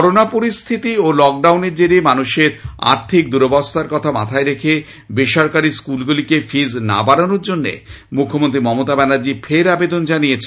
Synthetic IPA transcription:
ɔɾonapoɾist̪ʰit̪iolɔk̚ɖawneɾd͡ʑeɾimanuʃeɾa̰ɾt̪ʰik̚d̪uɾobast̪ʰaɾkɔt̪ʰama̰t̪ʰaeɾekʰe | beʃɔɾkaɾiskulɡulikefizna̰baɽanoɾd͡ʑonːḛ | mukʰːomõnt̪ɾimɔmot̪abɛnaɾd͡ʑifʰeɾabed̪ond͡ʑanijet͡ɕʰe

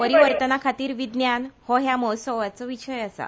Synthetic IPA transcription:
pəɾiʋəɾt̪ənakʰat̪iːɾʋid̪njanhɔɦjamɔɦ̪səʋat͡sɔʋiɕəjasa̰

